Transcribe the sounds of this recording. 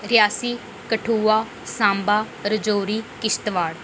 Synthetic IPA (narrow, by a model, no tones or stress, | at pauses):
ɾɪjaːsiː | kəʈʰuːaː | sãːmbaː | ɾəd͡ʒoːɾiːkɪst̪ʋaːɽ